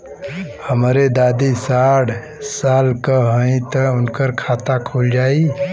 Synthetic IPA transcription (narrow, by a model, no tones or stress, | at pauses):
həmɾed̪ad̪isaɽ | salkəɦə̃ĩt̪əʊnkəɾkʰat̪akʰuld͡ʒai